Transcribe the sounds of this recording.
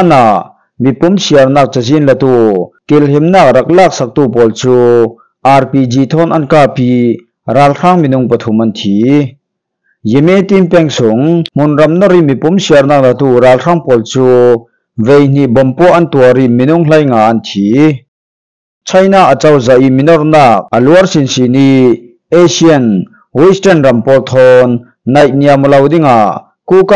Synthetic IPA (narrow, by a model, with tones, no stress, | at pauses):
a˥na˨ʔ | mi˨pʊ˦msi˨ɐ˨rnaː˥˧k̚t͡sa˨zi˥˨nlɐ˧t̪u˧˨ki˨lɦi˨mnaː˧k̚rɐ˨k̚laː˥˨k̚sa˨k̚t̪uː˥˨pɔː˨lt͡suː | ʔa˧rpi˨d͡zi˨t̪ʰɔ˥nʔɐ˥nkaː˧pi˧ | raː˧lr̥a˥ŋmi˨nʊ˧˨ŋpɐt̪ʰʊ˨mʔɐ˦nt̪ʰi˨˦ | ji˨mɛ˦˨t̪i˥npɛ˧˨ŋsʊ˨˦ŋm̥ʊ˨nrɐ˨mnɔ˥ɾi˥˨mi˨pʊ˨˦msi˨ɐrnaː˥˩k̚lɐ˧˨t̪u˧raː˨˧lr̥a˥ŋpɔː˨lt͡su˦ | ve˨jn̥i˧˨ʔbɔ˨mpɔ˦ʔɐ˦nt̪u˨ɐɾi˥˨mi˨nʊ˧ŋl̥a˦jŋa˨ʔɐ˦nt̪ʰi˦ | t͡sʰɐ˥˦jnaː˥˨k̚ə˨t͡sɐ˧wza˨ʔi˥mi˨nɔ˧rnaː˥˩k̚ʔə˨lu˦ɐ˦rsi˨nsi˨ni˧˥ | e˦siɐ˨n | wi˦stɛ˥nrɐ˨mpɔː˧lt̪ʰɔː˧nː | ɐ˨jt̪̚ni˨a˨mɔ˨lɐ˧wdɪ˥ŋa˨ʔ | ku˦˨ka˥